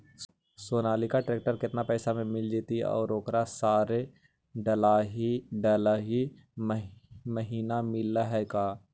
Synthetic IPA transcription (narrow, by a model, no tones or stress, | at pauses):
soːnaːlikaʈɾeːk̚ʈəɾkɪt̪napɛːsamẽmɪld͡ʒet̪iɔ̰ːɾoːkɾasaːɾe | ɖəlaːɦiɖəlaːɦi | mməɦiːnamɪlaɦɛkaː